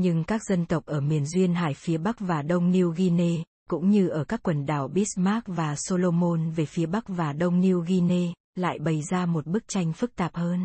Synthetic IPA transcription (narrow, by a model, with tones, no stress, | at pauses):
ɲɨ˧ŋkaː˦˥k̚z̥ə˧nt̪ə˨˩wk͡p̚ʔəː˧˩mi˨˩ənzwi˧ənɦa̰ː˧˩jfi˨˦əɓa˦˥k̚vaː˨˩ɗə˧wŋ͡mni˧wɣi˧ne˧ | kʊ̰˧˥ŋ͡mɲɨ˧ʔəː˧˩kaː˦˥kːwə˨˩nɗaː˧˩wɓi˦˥s̚maː˦˥k̚vaː˨˩so˧lo˧mo˧nve˨˩fi˨˦əɓa˦˥k̚vaː˨˩ɗə˧wŋ͡mni˧wɣi˧ne˧ | la̰ː˧˨jɓə˨˩jzaː˧mo˨˩t̚ɓɨ˦˥k̚t͡ɕa˧jŋ̟fɨ˦˥k̚t̪aː˨˩p̚həː˧n